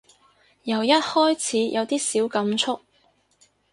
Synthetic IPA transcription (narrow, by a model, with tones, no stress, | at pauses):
jɐ˨˩wjɐ˥t̚hɔː˥jt͡sʰiː˨˥jʔɐ˨˧wt̪iː˥siː˨˥wkɐ˨˧mt͡sʰʊ˥k̚